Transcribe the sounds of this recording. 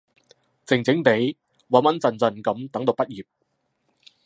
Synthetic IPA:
t͡sɪ˨˩ŋt͡sɪ˨˥ŋt̪e˨˥j | wɐ˨˩mɐ˨˥nt͡sɐ˨nt͡sɐ˨˩nkɐ˨˥mt̪ɐ˨˥ŋt̪o˨˧wpɐ˥t̚jiː˨˩p̚

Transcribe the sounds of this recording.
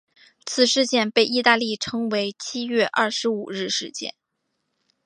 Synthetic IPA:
t͡sʰɹ̩˨˩ʂɻ̩˥˧t͡ɕjɛ˥˧npe˥˩ɪi˥˧t̪a˥˧li˥˩ʈ͡ʂʰɤ˥ŋwe˧˥ɪt͡ɕʰi˥ɥɛ˥˧ʔɐ̰˥˩ʂɻ̩˧˥u˨˩ɻɻ̩˥˧ʂɻ̩˥˧t͡ɕjɛ̰˥˩n

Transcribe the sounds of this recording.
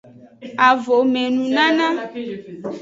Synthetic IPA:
a˨vo˨mẽ˨nũ˨nã˦nã˦

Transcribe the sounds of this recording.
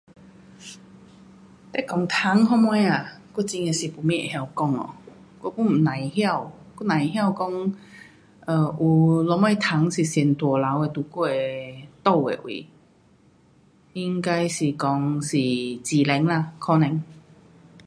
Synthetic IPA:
t̪ɛ˦˥˦kɔ˧˦ŋt̪ʰa˨˦ŋɦɔ˧mɔ˧˦ja˨˩ku˥˧t͡ɕi˧ŋe˧si˨˩pu˧˩mĩ˦˧˨ʔḛ˨hja˧˩wkɔ˥˧ŋɔ̰˨ | kɔ˥˧ku˧˥˩m̩˨˩nã˨˦jhja˥˧wku˥nã˨˩jɦja˥˧˨wkɔ˧ŋ | ə˧˩ʔu˨˩lɔ˧˥mã˧˩jt̪ʰa˨˦ŋsi˨˩sɛ˨˩nt̪wɔ˨˩la˨˦we˧t̪u˧˩ku˧˩e˧t̪o˥˧˨wḛ˨˧˨ʔwḭ˨ | i˧ŋka˧jsi˨˩kɔ˧˦ŋsi˨˩t͡ɕi˨lɛ˨˦ŋla˧kʰɔ˧nɛ˧˦ŋ

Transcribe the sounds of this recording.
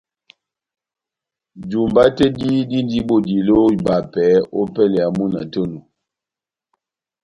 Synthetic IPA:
d͡ʒu˨mba˦te˦di˦di˦n˦di˦bo˨di˨lo˦˨ba˨pɛ˨˦o˦pɛ˦˨lɛ˨a˨mu˦˨na̰˨tə˦nu˨

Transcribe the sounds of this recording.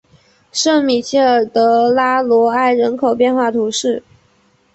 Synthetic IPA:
ʂɤ˥˩ŋmi˨˩ɕi˥ə˨˩t̪ɤ˧˥la˥lwɔ˧˥a˥˩ɪɻə˧˥nkʰo˨˩ʊpjɛ˥˧nxwa˥˩t̪ʰu˧˥ʂɻ̩˥˩

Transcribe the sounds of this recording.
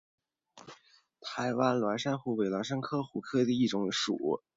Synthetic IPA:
t̪ʰa˧˥ɪwa˥nlwa˧˥nʂa˥nxu˧˥we˨˧˩ɪlwa˧˥nʂ̬a˥nkʰɤ˥xu˧˥kʰɤ˥˩d̪ə˧i˥˩ʈ͡ʂʊ˨˧˥ŋʂṵ˨˩˦

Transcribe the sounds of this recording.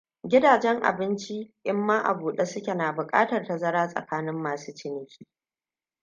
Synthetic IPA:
ɡʲɪ˦daː˨d͡ʒɛ˦ŋʔa̰˨bɪ˦nt͡ʃi˦ʔɪ˦mːaː˦ʔa̰˨buː˨ɗe˦sʊ˦kʲe˨naː˨bʊ˨kʼa̰ː˦tɐ˨rta˨zɐ˦ɾaː˦sʼɐ̰˨kaː˦nɪ˦mːaː˨suː˦t͡ʃɪ˦nɪ˦kʲiː˦

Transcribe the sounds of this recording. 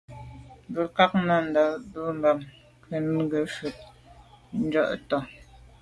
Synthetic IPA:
bə˨ka˦k̚na˦˨n˨da˨bə˦m˦ba˨m | kə˨nŋ˦ɡə˨ʃʉ˨t̚ | n̩˦d͡ʒɔ̰˦ʔtɔ˨

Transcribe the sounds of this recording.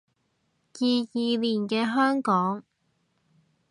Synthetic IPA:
jiː˧jiː˨liː˨˩nkɛː˧ɦœː˥ŋkɔː˨˥ŋ

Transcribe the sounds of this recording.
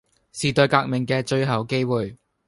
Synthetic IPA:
siː˨t̪ɵ˧ɥkaː˧k̚mɪ˨ŋkɛː˧t͡ʃɵ˧ɥɦɐ˨˩wke˥jwuː˨˩j

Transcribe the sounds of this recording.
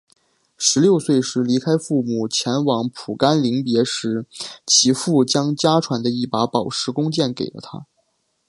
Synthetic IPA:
ʂɻ̩˧˥ljo˥˧ʊswe˥˧ɪʂɻ̩˧˥li˧˥kʰa˥ɪfu˥˩mu˨˩t͡ɕʰjɛ˧˥nwɑ˧˥ŋpʰu˨˩ka˥nli˧˥ŋpjɛ˧˥ʂɻ̩˧˥t͡ɕʰi˧˥fu˥˩t͡ɕjɑ˥ŋt͡ɕja˥ʈ͡ʂʰwa˧˥nd̪ə˧i˥˩pa˧˥pɑ˨˩ʊʂɻ̩˧˥kʊ˥ŋt͡ɕjɛ˥˩nkḛ˨˩ɪlə̰˦t̪ʰa̰˥

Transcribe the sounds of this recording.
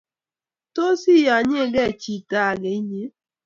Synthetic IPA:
to˦si˦˨ja˨ɲe˦˨ɡɛ˦˨t͡ʃi˦˨ta˦˨ɡe˨i˦ɲe˦

